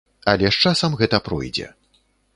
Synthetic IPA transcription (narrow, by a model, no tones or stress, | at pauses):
ɐlʲɛʂt͡ʂasɐmɣɛt̪ɐpɾɔ̰jd͡zʲɛ̰